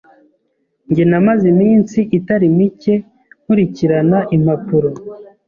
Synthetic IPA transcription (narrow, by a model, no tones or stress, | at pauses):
ɲɟenamazimiːnsiʔitaɾimice̞ | huɾiciɾanaʔim̥apuɾo